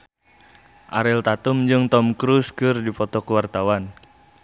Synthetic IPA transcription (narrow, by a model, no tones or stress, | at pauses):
ʔa̰ɾɛlt̪at̪umd͡ʒɨŋt̪ɔmkɾuskɨrdipɔt̪ɔkəwart̪awan